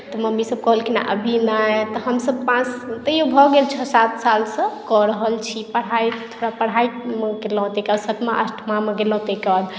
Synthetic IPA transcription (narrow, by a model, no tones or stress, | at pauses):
t̪ɔməmisəb̚kɔɦəlkina̰ʔəbʱinajt̪ɔɦəmsəb̚pãt͡ʃt̪əjobʱɔɡelt͡ʃʰəsat̪̚ʰsalsə̃kɔɾəɦəlt͡ʃʰipəɽ̤ajt̪ʰoɽapəɽ̤aimeɡelɔ̃ɦt̪ekad̪sət̪meʔə̰sʈʰmameɡelɔ̃ɦt̪ekad̪